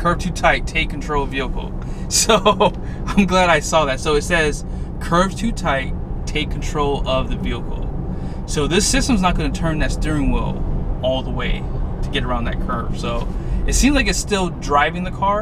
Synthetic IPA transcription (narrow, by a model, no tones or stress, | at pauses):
kʰɜ˞v̥tʰʉtʰaɪttʰeɪkʰn̩tʰɹ̥oʊlˠʌviəkl̩ˠ | soʊ | ãɪ̃mɡlæɾaɪsɔðætsoʊɨtsɛz̥ | kʰɜ˞v̥tʰʉtʰaɪt̚ʰ | eɪkʰn̩tʰɹ̥oʊlˠʌvðɨviəkl̩ˠ | soʊðɪsɪstə̃mznət̚ɡ̥ʌ̃nɨtʰɜ̃˞nðɨsd̥ɪɹɪ̃ŋwɪ̰lˠɔlˠðəweɪɾʰɨɡɛɾə˞ãʊ̃nðɨ̰t̚kʰɜ̰˞v̥soʊɨtsĩmzlakɨtstɪlˠdɹaɪvɪ̃ŋðɨkʰɑɹ